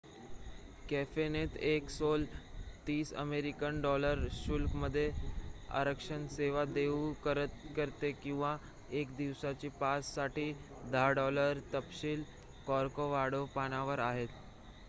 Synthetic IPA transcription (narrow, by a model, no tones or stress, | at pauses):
kɛfenet̪eksolt̪iːsə̰meɾikənɖɔləɾɕulkməd̪ʱːjea̰ɾəkʂənseʋad̪eukəɾət̪̚kəɾt̪ekĩw̃ʋa | ekd̪iʋsat͡ɕiːpasːaʈiː | d̪aɖɔləɾt̪əpɕiːl | kɔɾkoʋaɽopanaʋəɾaɦet̪